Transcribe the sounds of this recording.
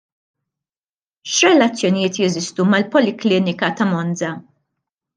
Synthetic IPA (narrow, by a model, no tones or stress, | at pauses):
ʃɾɛlɐt͡sːjɔnɪjɪːt̪jɛzɪst̪umɐlpɔlɪklɪːnɪkɐt̪ɐmɔnd͡zɐ